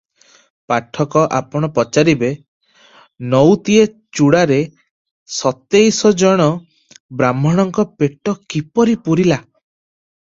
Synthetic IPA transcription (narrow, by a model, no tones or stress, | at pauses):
paʈʰɔkɔʔa̰pɔɽ̃ɔpɔt͡ʃaɾibe | nɔwt̪ie | t͡ʃuɽaɾe | sɔt̪ejsɔd͡ʒɔɽ̃ɔ | bɾamɔɽ̃ɔŋkɔpeʈɔkipɔɾipuɾila